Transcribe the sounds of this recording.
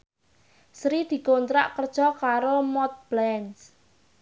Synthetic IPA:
sɾid̪̥i̤kont̪ɾa̰ʔkərd̥ʒ̥ɔ̤kaɾomɔt̪̚b̥lɛns

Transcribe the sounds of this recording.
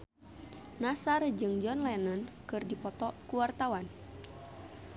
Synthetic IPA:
nasard͡ʒɨŋd͡ʒɔnlajanankɨrdipɔt̪ɔkuwart̪awan

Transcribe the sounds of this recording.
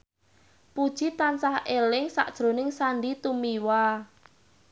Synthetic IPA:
pud̥ʒ̥it̪ansahelɪŋsa̰ʔd̥ʒ̥ɾonɪŋsaɳɖit̪umiwa

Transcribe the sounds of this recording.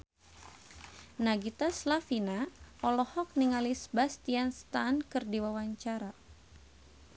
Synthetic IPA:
naɡit̪aslafinaɔlɔhɔk̚niŋalisbast̪ianst̪ankɨrdiwawaɲt͡ʃaɾa

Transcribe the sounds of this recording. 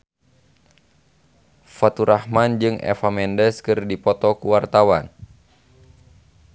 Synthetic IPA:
fat̪uɾʔahmand͡ʒɨŋɛ̰famɛndɛskɨrdipɔt̪ɔkuwart̪awa̰n

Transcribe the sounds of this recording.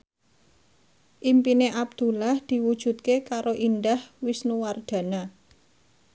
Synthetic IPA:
ʔimpineʔab̚d̪̥ṳlahd̪̥i̤wud̥ʒ̥ṳt̪̚kekaɾoʔind̪ahwisnuward̪̥a̤na

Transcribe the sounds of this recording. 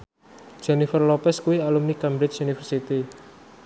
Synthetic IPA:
d̥ʒ̥ɛnifərlɔpɛskuwialumnikambɾɪt͡ʃunifərsit̪i

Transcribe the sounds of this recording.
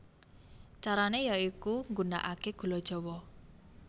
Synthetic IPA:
t͡ʃaɾanejaikuŋɡuna̰ʔakeɡ̥ṳlɔd̥ʒ̥ɔ̤wɔ

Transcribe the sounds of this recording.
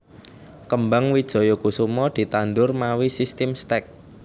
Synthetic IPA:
kəmbaŋwid̥ʒ̥ɔ̤jokusumɔd̪̥i̤t̪and̪ʊrmawisist̪ɛmst̪ɛk̚

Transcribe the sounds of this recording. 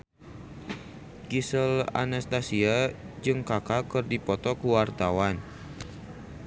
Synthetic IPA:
ɡisəla̰nast̪asia | d͡ʒɨŋkakakɨrdipɔt̪ɔkuwart̪awan

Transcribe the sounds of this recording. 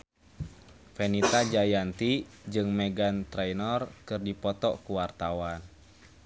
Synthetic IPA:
fɛnit̪ad͡ʒajant̪id͡ʒɨŋmɛɡant̪ɾɛjnɔrkɨrdipɔt̪ɔ̰kuwart̪awan

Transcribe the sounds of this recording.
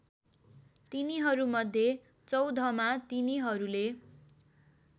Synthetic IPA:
t̪iniɦʌɾumʌd̪ʱje | t͡sʌwd̪ʱʌmat̪iniɦʌɾule

